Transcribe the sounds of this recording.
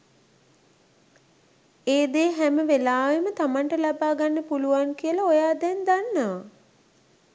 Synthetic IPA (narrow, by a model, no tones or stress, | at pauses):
eːd̪eːɦæməʋelaːʋemət̪amaɳʈəlabaːɡanːəpuluʋaŋkijəlaojaːd̪ænd̪anːəʋa